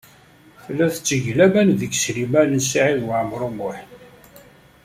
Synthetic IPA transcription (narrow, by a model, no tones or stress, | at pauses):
fəlːæθət͡sːəʝlæmænðəksɾimælənsiʕiðwəʕəmːɾˤumʊħn